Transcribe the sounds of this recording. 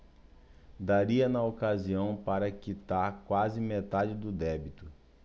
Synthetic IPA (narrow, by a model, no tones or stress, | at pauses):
d̪aɾiɐnɐokaziɐ̃w̃paɾɐkit̪aɾkwazɪmet̪ad͡ʒɪd̪ʊd̪ɛbit̪ʊ